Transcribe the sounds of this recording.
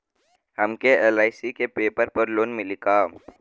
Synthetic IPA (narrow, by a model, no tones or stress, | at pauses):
həmkeeːlaːɪsikepeːpəɾpəɾloːnmɪlɪkaː